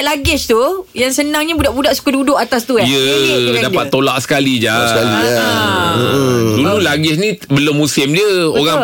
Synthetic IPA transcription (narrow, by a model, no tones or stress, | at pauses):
ʔlaɡɛst̪ujaŋsənãŋɲabudaʔbudaʔsu̥kədudʊʔat̪ast̪ujədapat̪ːolaʔsə̥kalid͡ʒasali | dululaɡɪsnĩbəlʊmːusɪmdəoɣaŋ